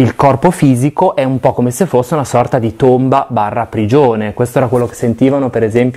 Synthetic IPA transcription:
ilkɔrpofiːzikoʔɛumpɔkomesefosːeunasɔrt̪ad̪it̪ombabarːaːpɾid͡ʒoːnekwest̪oɛːɾakwelːoke̥sːent̪iːvanopeɾezɛmpj

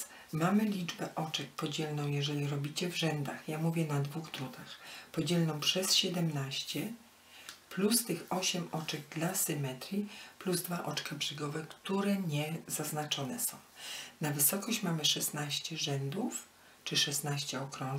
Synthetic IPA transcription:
mamɘlʲid͡ʐbɛʔɔt͡ʂɛk̚pɔd͡ʑɛlnɔ̃w̃jɛʐɛlʲiɾɔbʲit͡ɕɛvʐɛnd̪axjamuvʲjɛnad̪vuɣd̪ɾut̪axpɔd͡ʑɛlnɔ̃w̃pʂɛsɕɛd̪ɛmnaɕt͡ɕɛ | plust̪ɘxɔɕɛmɔt͡ʂɛɡ̚d̪lasɘmɛt̪ɾʲjipluzd̪vaʔɔt͡ʂkabʐɘɡɔvɛkt̪uɾɛɲɛzaznat͡ʂɔnɛsɔ̃w̃navɘsɔkɔɕt͡ɕmamɘʂɛsnaɕt͡ɕɛʐɛnd̪uf | t͡ʂɘʂɛsnaɕt͡ɕɛɔkɾɔ

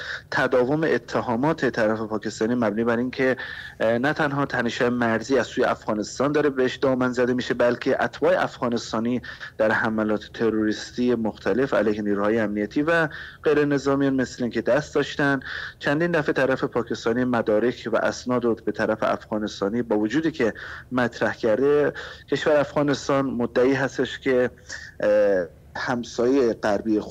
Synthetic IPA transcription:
t̪ʰæd̪ɒːvo̞meʔet̪ʰːeɦɒːmɒːt̪ʰe̞t̪ʰæɾæfe̞pʰɒːcʰe̞st̪ɒːniːmæbniːbæɾiːnkʰe̞næt̪ʰænɦɒːt̪ʰæneʃhɒːjemæɾziːæzsuːjeʔæfɣɒːne̞st̪ɒːnd̪ɒːɾebeheʃd̪ɒːmænzæd̪e̞miːʃe̞bælcʰe̞ʔæt̪ʰbɒːḛʔæfɣɒːne̞st̪ɒːniːd̪̥æɾhæmælɒːt̪ʰe̥t̪ʰe̞ɾoɾiːst̪iːjemoxt̪ʰæle̞fæ̰lejheniːɾuːhɒːjeæmnijæt̪ʰiːvæɢ̥e̞jɾe̞ne̞zɒːmijɒnme̞sleiːŋcʲʰe̞d̪æst̪̚d̪ɒːʃt̪ænd̪t͡ʃʰænd̪iːnd̪æfe̞t̪ʰæɾæfe̞pʰɒːcʰe̞st̪ɒːnijmæd̪ɒːɾe̞cʰvæ̰ʔæsnɒːd̪obet̪ʰæɾæfeʔæ̰fɣɒːne̞st̪ɒːniːbɒːvod͡ʒuːd̪iːcʰe̞mæt̪ʰɾæhcʰæɾd̪e̞cʰe̞ʃvæɾæfɣɒːne̞st̪ɒːnmod̪ːæiːɦæst̪eʃcʰe̞ | hæmsɒːjeeɢæɾbiːe

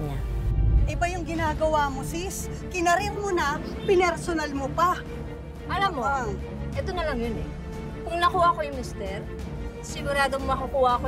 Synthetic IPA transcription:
ɲaʔɐbɐjʊŋɡɪnaːɡɐwaːmosis | kɪnɐɾɪkmonɐ | pɪnɛɾsonɐlmopɐ | ʔɐlamːo | ʔɛt̪o̞nɐlɐŋjonɛ | kʊŋnɐkuːhaɐkojʊŋmɪst̪ɛɾ | sɪɡʊɾaːd̪ommɐkɐkuːhaɐko

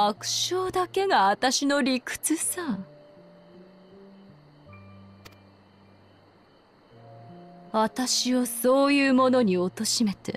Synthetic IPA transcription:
akɯ̟̥ɕoːd̪ake̞ɡaat̪aɕino̞ɾʲikɯ̟̥t͡sɨsã | βat̪aɕio̞so̞ːjɯːmo̞no̞ɲ̟io̞t̪o̞ɕime̞t̪ḛ

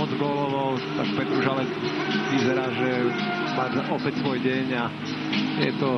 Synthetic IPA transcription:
ɔd͡zɡɔːlɔʋɔʊt̪akpɛt̪ɾuʒalɛkʋizɛɾaːʒɛ | pazaʔɔpɛcsʋɔjɟɛɲa | jɛt̪ɔ

